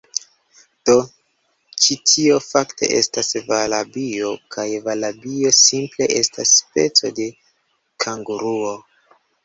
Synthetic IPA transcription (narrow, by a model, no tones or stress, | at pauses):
d̥o̞ | t͡ʃitʰio̞fakte̞̰ʔe̞̰stasvalabio̞kʰajvalabio̞simple̞ʔe̞stasːpe̞t͡so̞de̞ | kʰaŋɡuɾuo̞